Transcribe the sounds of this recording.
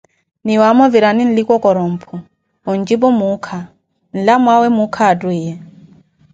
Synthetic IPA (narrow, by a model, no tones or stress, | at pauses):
niwamɔviɾanin̩likɔkɔɾɔm̩pʰɔ | ɔnd͡ʒibɔmukʰa | n̩lamwawɛmukʰaːdwiːjɛ